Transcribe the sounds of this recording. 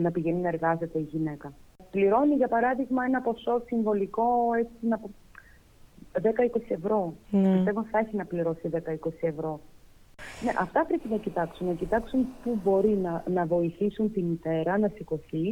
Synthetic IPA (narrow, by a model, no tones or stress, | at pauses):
nɐpiʝeninɐeɾɣɐze̞t̪e̞iʝine̞kɐpliɾo̞niʝɐpɐɾɐðiɣmɐe̞nɐpo̞so̞siɱvo̞liko̞et͡sinɐpo | ðe̞kɐiko̞sie̞vɾo̞pist̪e̞vot̪iθɐeçinɐpliɾo̞siðe̞kɐiko̞sie̞vɾo̞ | ne̞̰ʔɐft̪ɐpɾepinɐcit̪ɐksunnɐcit̪ɐksunpubo̞ɾinɐnɐvo̞iθisunt̪init̪e̞ɾɐnɐsiko̞θi